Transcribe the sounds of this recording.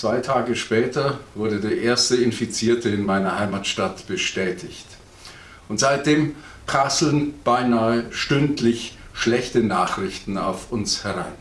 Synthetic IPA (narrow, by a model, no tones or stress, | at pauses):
t͡sv̥aɪtʰaːɡəʃpɛːtʰɐvʊɐdədeːɐʔeːɐstəɪnfit͡siːɐtʰəɪnmaɪnɐhaɪmatʃtatb̥əʃtɛːtʰɪçt | ʊntz̥aɪt̚d̥eːm | pʁ̥aslənb̥aɪnaːəʃtʏntlɪçʃlɛçtənaːχʁ̥ɪçtn̩a̰ʊfʊnshɛʁa̰ɪn